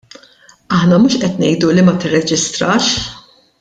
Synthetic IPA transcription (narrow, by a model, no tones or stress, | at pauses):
ɐħnɐmuːʃʔɛt̪nɛjd̪ulimɐt̪ɪrːɛd͡ʒɪst̪ɾɐːʃ